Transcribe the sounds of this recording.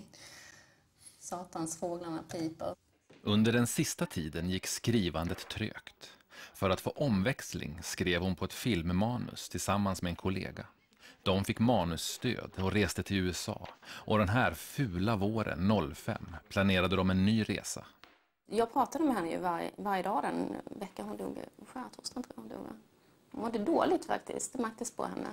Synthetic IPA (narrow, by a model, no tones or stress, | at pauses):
sɑːt̪ansfoːɡlanapʰiːt̪a | ʔɵnd̪əɖɛnsɪst̪at̪ʰiːd̪ənjɪkːskɾiːvand̪ət̪ʰːɾø̰ːkt̪fœɾat̪fo̰ːʔɔmvɛkslɪ̰ŋskɾeːvhʊnpʰɔɛt̪fɪlmːɑːnɵ̰st̪ʰɪlsamːansmɛɛnkʰʊlḛːɡa | d̪̥ɔmfɪkːmɑːnɵsːt̪ø̰ːd̪ɔɾeːst̪ət̪ʰɪlʉ̟ːɛsɑ̰ːʔɔd̪ɛnɦæːɾfʉ̟ːlavoːɾə̰nːɔlːfɛ̰mːpʰlaneːɾad̪əd̪ɔmɛnːyːɾḛːsa̰ | jɑːɡpʰɾɑːt̪ad̪əmɛɦɛnːəjɵ̰vaɾjə̰vaɾjəd̪ɑːd̪ɛnvɛkːaɦʊnd̪ṵːɡɧæːt̪ʰɔst̪ʰɛnt̪əʊnd̪ṵːɡ̰ | hʊmɔd̪ɛd̪oːlɪɡ̚t̪fa̰k̚t̪ʰɪ̰st̪mak̚t̪ɪspʰɔ̰hɛnːə̰